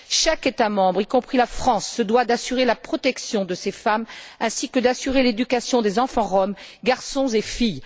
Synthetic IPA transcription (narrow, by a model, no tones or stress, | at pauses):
ʃaket̪amɑ̃bʁikɔ̃pχilafχɑ̃sːəd̪wad̪asyʁelapχɔt̪ɛksjɔ̃d̪əsefamɛ̃sikəd̪asyʁeled̪ykasjɔ̃d̪ezɑ̃fɑ̃ʁɔmɡaʁsɔ̃zefij